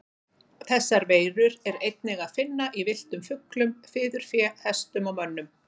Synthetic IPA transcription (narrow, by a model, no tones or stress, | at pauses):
θɛsːaɾveːjɾʏɾɛɾejt̪̚nɪɣaðfɪnːaʔivɪl̥t̪ʏmfʏklʏmfɪːðʏɾ̥fjɛhɛst̪ʏmawmœnːʏm